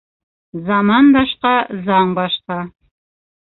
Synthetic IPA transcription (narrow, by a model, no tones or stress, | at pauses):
zɑmɑnd̪ɑʃqɑzɑɴbɑʃqɑ